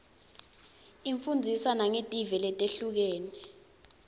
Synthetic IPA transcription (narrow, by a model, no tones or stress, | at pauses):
iɱfund͡zʱisanaŋetʼivɛlɛtʼeɬuk̬eːni